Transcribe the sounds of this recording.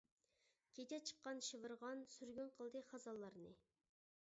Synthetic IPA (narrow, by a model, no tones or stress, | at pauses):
kʲʰet͡ʃʰɛt͡ʃʰə̥qːɑnʃivɨɾʁɑnsyɾɡʲynqʰəlˠd̪ɨχɑzɑlˠːɑɾnɨ